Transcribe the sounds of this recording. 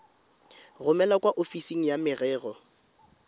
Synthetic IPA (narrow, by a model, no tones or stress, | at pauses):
rʊmɛlakʼwaʔofisiŋ̩jamɪrɛːɣɔ